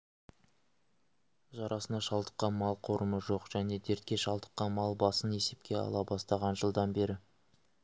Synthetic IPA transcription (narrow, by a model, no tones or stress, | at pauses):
ʒɑɾʔɑsənɑʃɑlˠd̪ə̥qːɑnmɑlˠqʰo̞ɾəməʒo̞qʒ̥æne̞d̪e̞ɾt̪kʲe̞ʃɑlˠd̪ə̥qːɑnmɑlˠbɑsəne̞se̞p̚kʲe̞ɑ̰lˠɑbɑst̪ɑʁɑnʒəlˠd̪ɑnbe̞ɾɪ